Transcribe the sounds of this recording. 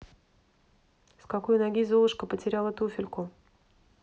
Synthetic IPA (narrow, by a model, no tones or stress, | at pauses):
skakojnaɡʲizolˠɨʂkəpətʲɪɾʲalˠət̪ufʲɪlʲkʊ